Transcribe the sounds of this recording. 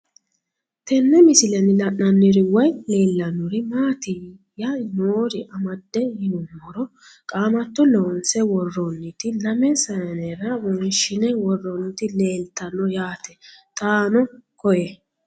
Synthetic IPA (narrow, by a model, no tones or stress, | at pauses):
t̪ɛnːɛmɪsɪlɛnɪlɐʔnɐnːɪɾɪwɔjle̞ːlːɐnːʊɾɪmaːt̪ɪ | jɐnoːɾɪʔɐmɐd̪ːɛjɪnʊmːɔɾɔ | kʼaːmɐt̪ːɔloːnsɛwɔrːɔnːɪt̪ɪlɐmɛsɐjɐnɛɾɐwɔnʃɪnɛwɔrːɔnːɪt̪ɪle̞ːlt̪ɐnːɔjaːt̪ɛt̪ʼaːnɔkɔjɛ